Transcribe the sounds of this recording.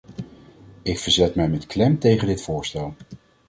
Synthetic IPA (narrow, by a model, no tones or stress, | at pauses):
ɪkfəɹzɛtmɛjmɛtklɛmtejχəndɪtfʊːɹstɛlˠ